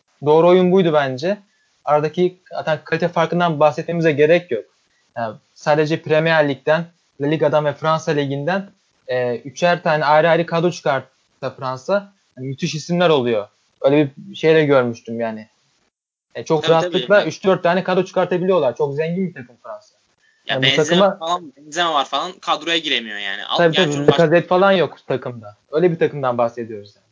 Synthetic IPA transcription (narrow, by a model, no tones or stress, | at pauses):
d̪o̞ːɾuo̞junbujd̪ubænd͡ʒɛ | aɾad̪acʰiha̰t̪ʰankʰalʲit̪ʰɛfaɾkɯnd̪anbaxsɛt̪̚me̞mizɛɟe̞ɾɛcʰjok̚ | ja | saːd̪e̞d͡ʒɛpɾemejælʲːic̚t̪æn | lʲˠalʲiɡad̪anvɛfɾansalʲeɟind̪æn | ɛːyt͡ʃʰæɾt̪ʰaːnɛajɾɯajɾɯkʰad̪ot͡ʃʰɯ̥kʰaɾ | t̪ʰːafɾansa | amyt̪ʰiʃhisimlʲæɾo̞lˠujo̞ | bø̞jlʲɛbiʃe̞jlʲɛɟø̞ɾmyʃt̪ʰymjaːnɪ | t͡ʃʰo̞kɾaat̪lˠɯlˠayt͡ʃd̪øɾt̪ʰːaːnɛkʰad̪ot͡ʃʰɯ̥kaɾt̪ʰabilʲijo̞lˠaɾt͡ʃʰo̞kzɛɲɟinbit̪ʰakɯmfɾansa | ja̰ːnbbuɛt̪akɯmaabɛnzemɛvaɾfalˠankʰad̪ɾojaɟiɾemijo̰ja̰ːnḭa̰t̪ʰabiːt̪ʰabiikʰazɛt̪falˠanjo̞kt̪ʰakʰɯmd̪a | ø̞jlʲɛbiɾt̪ʰakɯmd̪anbaxse̞d̪ijo̞ɾuzjaːnɪ